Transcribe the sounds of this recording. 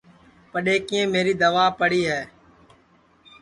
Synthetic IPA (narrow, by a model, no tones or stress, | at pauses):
pəɗeːkɪ̃ːẽːmeːɾiːd̪əʋaːpəɽiːɦɛː